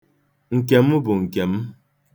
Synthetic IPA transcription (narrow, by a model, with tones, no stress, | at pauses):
ŋ̩˨k̬e˨˦m˦u˦bo˨ŋ̩˨kɛ˨m˦